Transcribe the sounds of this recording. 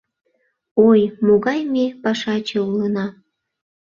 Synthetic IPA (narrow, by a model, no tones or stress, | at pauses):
ojmoɣɑjmepɑʃɑt͡ɕəulənɑ